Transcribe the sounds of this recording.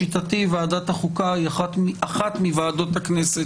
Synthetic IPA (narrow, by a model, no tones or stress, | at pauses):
it̪at̪ivaːdat̪haχukajaχat̪iaχat̪mivaːdo̞t̪haknese